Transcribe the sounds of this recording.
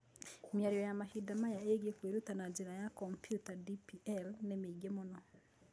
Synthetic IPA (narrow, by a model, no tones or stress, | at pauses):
mjaɾjɔjamahidamajaeɡekweɾutanad͡ʒeɾajakɔmpjutadipiɛlnemeɡemɔnɔ